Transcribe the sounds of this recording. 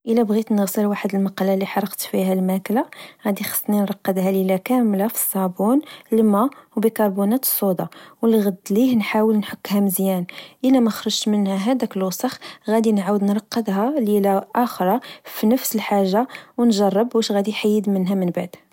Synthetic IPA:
ʔəlæbɣit̪nəɣsəlwaħəd̪əlmɑqɑlːalːiħɑɾˤːəqt̪fiɦælmæklaɣæd̪ixɑ̥sˤːninɾˤɑqːəd̪hælilækæmlafi̥sˤːɑbunlmæwbəkɑɾˤbunæt̪ə̥sˤːod̪ɑwliɣəd̪lihnħawəlnħəkːhæməzjænʔəlæmæxɾˤəʒmənhæɦæd̪ækəlosˤɑxɣæd̪inʕawəd̪nɾˤɑqːəd̪ɦælilaʔæxɾˤɑfinəfsəlħaʒːawnʒɑrˤːəbwæʃɣæd̪iħajːəd̪mənɦæmənbaʕd̪

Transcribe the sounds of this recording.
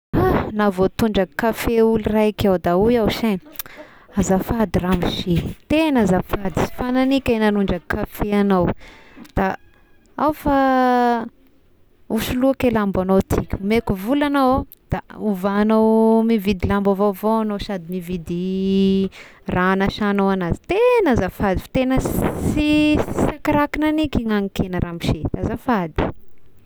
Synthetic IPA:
anavot̪uɳɖ͡ʐakafeulirakʲawd̪aujawʃen | azafad̪iramiʃit̪enazafad̪isi̥fananikʲananuɳɖ͡ʐakʰafeanawd̪̥a | awfa | uʃuluakelambanowt̪ʰikʲumekuvulanow | d̪̥auvanowmivid̪ilambavovoanoʃad̪imivid̪i | ranaʃanowanazi̥t̪enazafad̪ifḁt̪enəsiisakaɾakinanikiŋaŋikenəɾamiʃed̪̥azafad̪i̥

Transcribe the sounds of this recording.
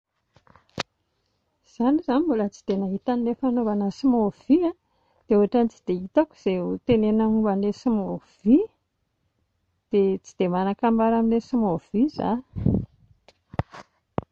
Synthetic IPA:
z̥anizanimbulət͡si̥d̪̥enaɦit̪anilefanuvanəsimov̥ia | d̪̥euaʈ͡ʂanit͡si̥d̪eit̪aku̥z̥eut̪enenaumbanlesimov̥i | d̪̥et͡si̥d̪emanakambaɾaminesimov̥iza̰

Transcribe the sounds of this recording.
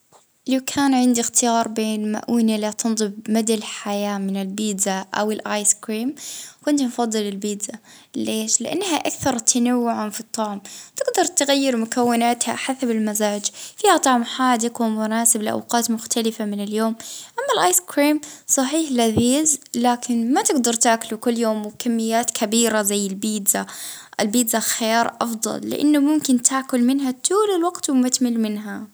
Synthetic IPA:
lawkʰaːnʕɪnd̪ixt̪ɪjɑːɾˤbeːnma̰ʔuːnalat̪ʰɨnðˤɨbmad̪alħajaːmɪnɪlbiːd̪zaʔa̰wɪlʔaːjskɾiːmkʊnt̪mfɑðˤːɨlɪlbiːd̪za | leːʃlɪʔa̰nːhaʔakθɑɾˤt̪ʰanawːʊʕafit̪ˤːɑʕmt̪ɪɡd̪ɑɾˤt̪ɪɣajːɪɾmʊkawːɪnaːt̪ha̰ħasabɪlmazaːd͡ʒfiːhat̪ˤɑʕmħaːd̪ɪkwɪmʊnaːsɪbɪlʔa̰wqɑːt̪mʊxt̪ʰalɪfamɪnɪljoːmʔamːalʔaːjskɾiːmsˤɑħiːħlaðiːzlaːkʰɪnmat̪ɪɡd̪ɑɾˤt̪aːkʊlukʊlːjoːmwkamːɪjːaːt̪kʰabiːɾazajːɪlbiːd̪za | ʔɪlbiːd̪zaxajɑːɾˤʔɑ̰fd̪ˤɑ̰lːɪ̰ʔa̰nːʊmʊmkɪnt̪ʰaːkʊlmɪnɦat̪ʰuːlɪlwɑɡt̪wɪmat̪mɪlmɪnɦa

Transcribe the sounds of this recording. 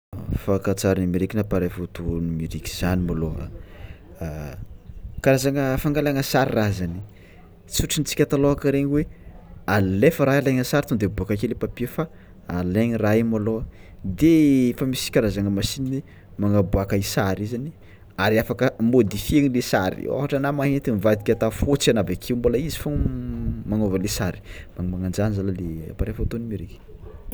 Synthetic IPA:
fakat͡saɾinimiɾikinapaɾefut̪unimiɾiki̥z̥animalo̰ | kaɾazaŋəfaŋɡalaŋəsaɾirazani | t͡suʈ͡ʂinit͡si̥kʲat̪aloakəɾeɲweallefəɾajaleŋəsaɾit̪und̪ebuakakelepapiəfa | aleɲirajmaload̪eefamisi̥kʲaɾazaŋəmasinii | maŋabuakəisaɾizani | aɾiafakəmod̪ifieŋilesaɾḭo̰ɦaʈ͡ʂanamaɦent̪imivad̪i̥kʲat̪afot͡sanavakʰeumbolaizi̥fo | maŋovəlesaɾi̥maŋmaŋand͡ʒanzalalea̰paɾefat̪onimiɾeke̥

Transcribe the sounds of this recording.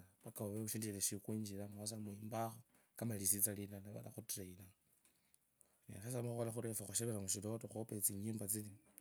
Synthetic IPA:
βakaβoβeβuʃindiileʃikwiːɲd͡ʒilamas̬amwiːmbaxo | kamalisit͡salinanaβa̰la̰xutɾeila | nḭsas̬amaxuxolaxuɾefaxuʃeβeɾaŋuʃilotoxopet͡siɲiːmbat͡sili

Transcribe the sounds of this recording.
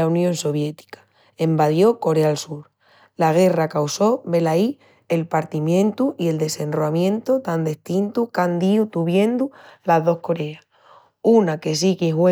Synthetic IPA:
aunjõ̞nso̞βje̞t̪i̥kḁ | e̞mbaðjo̞ko̞ɾealsuɾ | laɣ̞e̞rakawso̞βe̞lai | e̞lpaɾt̪imjẽ̞nt̪uʔie̞ld̪e̞se̞nroamjẽ̞nt̪ut̪and̪e̞ht̪int̪ukand̪iut̪uβje̞nd̪ulaðo̞hko̞ɾe̞a | unake̞s̬ikiɦwe

